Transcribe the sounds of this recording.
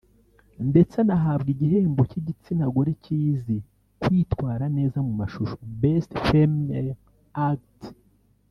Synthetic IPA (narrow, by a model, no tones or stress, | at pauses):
nde̞t͡senaɦabɡiɟiɦeːmbociɟit͡sinaɡoɾiciːzi | kwiːtkwaːɾane̞ːzamumaʃuʃobestfem | akt